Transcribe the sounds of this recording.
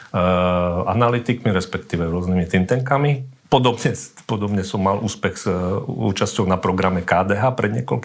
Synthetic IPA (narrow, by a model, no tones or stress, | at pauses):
a̰nalit̪ikmiɾɛspɛkt̪iːʋɛɾʊɔznimit̪int̪ɛŋkamipɔd̪ɔbɲɛpɔd̪ɔbɲɛsɔmːalʔuːspɛɣz̥ṵːt͡ʃascɔʊnapɾɔɡɾamɛkaːd̪ɛːɦaːpɾɛd̪ɲɪɛkɔ̰lk